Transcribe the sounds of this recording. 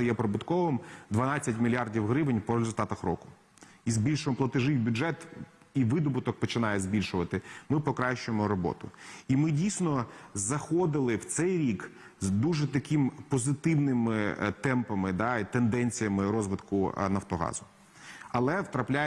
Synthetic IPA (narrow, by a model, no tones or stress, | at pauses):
ɐjɛpɾɔbʊt̪kɔʋɪmd̪ʋɐnɑt͡sʲːɐtʲmʲilʲjardʲiwɦɾɪʋɪnʲpɔɾezʊlʲt̪ɑt̪ɐxɾɔ̰kʊ̥ | izbʲilʲʃʊɔmplˠɐt̪ɪʒɪwbʲʊd͡ʒɛt̪iʋɪd̪ɔbʊt̪ɔk̚pɔt͡ʃɪnɑjɛzbʲilʲʃʊʋɐt̪ɪmɪpɔkɾɑʃt͡ʃʊjemɔɾɔbɔ̰t̪ʊimɪdʲijsʲnɔzɐxɔd̪ɪlˠɪwt̪sɛjɾʲik | zd̪uʒɛt̪ɐkɪmpɔzɪt̪ɪwnɪmɪt̪ɛmpɐmɪd̪ɑit̪end̪ɛnʲt͡sʲijɐmɪɾɔzʋɪt̪kʊ̰nɐwt̪ɔɦɑ̰zʊ | ɐlˠɛwt̪ɾɐplʲa